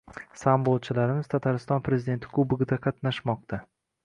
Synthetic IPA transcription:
sambolˠt͡ʃʰɪlaɾɪmɪz̥t̪ʰat̪ʰaɾɪst̪ɒnpʰɾe̞zɪd̪e̞nt̪ʰɪkʰʊbɪɡʲɪd̪aqʰɑt̪naʃmɒq̚t̪ʰa

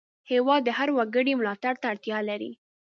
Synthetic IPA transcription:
hewɑd̪ːəhaɾwaɡəɽimlɑt̪aɽt̪aːɽt̪jɑlaɾḭ

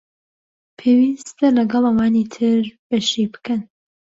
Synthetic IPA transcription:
pʰeːwiːst̪ɐlɐɡɑlˠɐwaːnit̪ʰɨɾbɐʃibɨ̥kɐn

